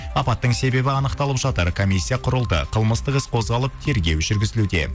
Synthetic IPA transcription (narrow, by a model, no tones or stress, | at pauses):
ɑpɑt̪ːəɴse̞be̞bɪɑnəqt̪ɑlˠəpʒɑt̪əɾkʰomisʲːijaqʰʊɾəlˠd̪ə̰qʰəlˠməst̪əqɪsqʰo̞zʁɑlˠəp̚t̪ʰe̞ɾɡʲe̞wʒʏɾɡʲɪzɪlud̪e̞̰